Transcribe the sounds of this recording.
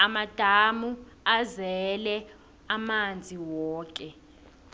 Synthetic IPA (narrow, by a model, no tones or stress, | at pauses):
amad̥ʱamu | azɛlɛ | amand͡zʱiwɔːk̬ʼɛ